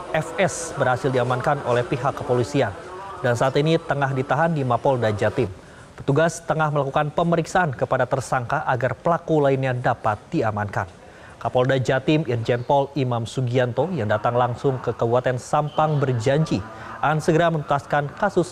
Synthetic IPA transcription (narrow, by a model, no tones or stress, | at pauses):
ɛfɛsbərhasɪldiamankanolɛhpiɦakːəpolisiandansaat̪init̪əŋahdit̪aɦandimapɔldad͡ʒat̪ɪm | pət̪uɡast̪əŋahməlakukanpəməɾiksaankəpadat̪ərsaŋkaʔaɡarpəlakulainɲadapat̪̚d̥iamanka̰n | kapɔldad͡ʒat̪ɪmird͡ʒɛnpɔlimamsuɡiant̪ojaŋdat̪aŋlaŋsʊŋkəkəbuat̪ɛnsampaŋbərd͡ʒaɲd͡ʒi | ʔansəɡəɾamənut̪askankasʊs